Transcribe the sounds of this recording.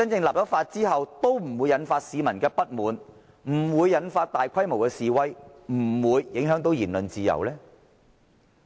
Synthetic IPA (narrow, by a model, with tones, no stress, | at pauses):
t͡sɐ˥nt͡sɪ˧ŋlaː˨p̚jɔ˨˥faː˧t̚t͡siː˥ɦɐ˨wt̪o˥wm̩˨˩wu˨˧jɐ˨˥nfaː˧t̚siː˨˧mɐ˨˩nkɛː˧pɐ˥t̚muː˨n | m̩˨˩wuː˨˧jːɐ˨˥nfaː˧t̚t̪aː˨jkʷʰɐ˥jmo˨˩wkɛː˧siː˨wɐ˥jmm̩˨˩wuː˨˧jːɪ˨˥ŋɦœː˨˥ŋt̪o˨˥wjiː˨˩nlɵ˨nt͡siː˨˧jɐ̰˨˩wlɛː˥